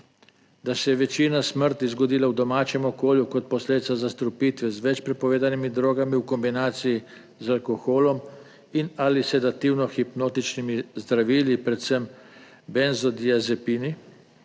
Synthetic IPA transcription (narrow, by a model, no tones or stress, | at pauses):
d̪asɛjɛʋɛt͡ʃiːnasməɾt̪izɡɔd̪iːlawd̪ɔmaːt͡ʃɛmɔkoːljukɔt̪̚pɔsled̪it̪sazast̪ɾupiːt̪ʋɛzʋɛt͡ʃpɾɛpɔʋeːd̪animid̪ɾoːɡamiukɔmbinaːt̪siji | zalkoxoːlɔm | inalisɛd̪at̪iwnɔxipnoːt̪it͡ʃnimizd̪ɾaʋiːlipɾɛt̪səm | bɛnzɔd̪iazɛpiːni